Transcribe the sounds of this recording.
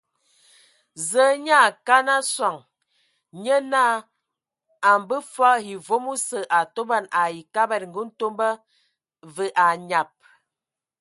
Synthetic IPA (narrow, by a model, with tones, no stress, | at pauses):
zə˨˦ɲa˦˨ka˦na˦swa˨ŋ | ɲə˦na˦˨ | a˨m˨bə˦fa˦hi˨vo˦mu˦sə˨ʔa˨to˦ba˦˨na˨ji˨ka˦bɛ˦˨t̚ŋ˨ɡu˦n̩˦to˦mbə˦ | və˨ʔa˨ɲa˨p̚